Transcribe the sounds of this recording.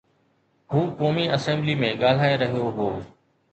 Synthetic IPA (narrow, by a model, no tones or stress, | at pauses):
ɦuːkoːmiːɐsɛ̃mbliːmẽɠaːl̤aːeɾɐɦijoɦoː